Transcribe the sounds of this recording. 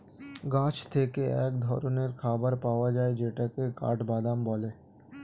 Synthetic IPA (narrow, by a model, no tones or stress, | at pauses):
ɡãt͡ʃt̪ʰekeɛ̰k̚d̪ʱɔɾoneɾkʰabaɾpaoad͡ʒaed͡ʒeʈakeka̰ʈʰbad̪ambɔle